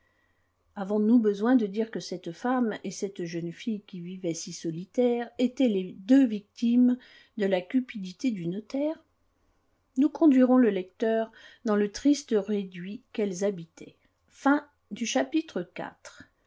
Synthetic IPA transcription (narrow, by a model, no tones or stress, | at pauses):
avɔ̃nubəzwɛ̃d̪əd̪iʁkəsɛt̪famesɛt̪ʒənfijkʲivivɛsisɔlit̪ɛʁet̪ɛled̪øvik̚t̪im | d̪əlakʲypid̪it̪ed̪ynɔt̪ɛːʁ | nukɔ̃d̪ɥiʁɔ̃ləlɛkt̪œʁd̪ɑ̃lət̪χist̪əʁed̪ɥikɛlzabit̪ʰɛ | fɛ̃ | d̪yʃapit̪χəka̰t̪χ